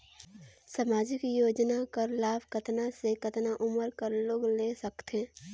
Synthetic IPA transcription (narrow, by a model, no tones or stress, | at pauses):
samaːd͡ʒɪkjoːd͡ʒnakəɾlaːbkɐt̪nasekɐt̪naʔʊməɾkəɾloːɡleːsɐkt̪eː